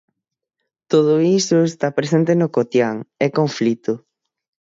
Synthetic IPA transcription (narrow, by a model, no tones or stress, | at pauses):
t̪oð̞ʊisʊest̪apɾes̬ẽnt̪̬enokot̪jaŋɛkoɱflit̪ʊ